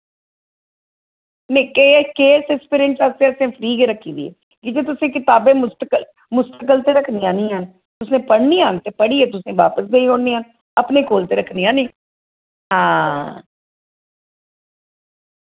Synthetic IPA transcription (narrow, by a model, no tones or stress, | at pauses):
nẽːkeːkeːsɪspɪɾẽnsast̪ẽːsẽːpʰəɾiːɡeːɾəkʰːĩːd̪ḭːḛː | kɪd͡ʒeːt̪̬ʊsẽːkɪt̪aːbẽːmʊst̪əkəl | mʊst̪əkəlt̪eːɾəkʰniːãːnĩːɦən | t̪ʊsnẽːpəɽniːaːnt̪eːpəɽiːeːt̪̬ʊsẽːʋa̰ːpəsd̪eĩɦõːɽniːən | əpneːkoːlt̪eːɾəkʰniːãːnĩː | ɦãː